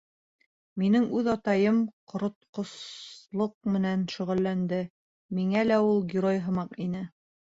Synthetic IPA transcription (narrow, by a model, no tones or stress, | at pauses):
minɘŋʉðɑt̪ɑjɤmqŏɾŏt̪̚qŏslˠoq̚mɘ̆nænʃɵ̆ʁɘ̆lːænd̪ɘ | miŋælæulˠɡʲɪɾojɦɤ̆mɑqinɘ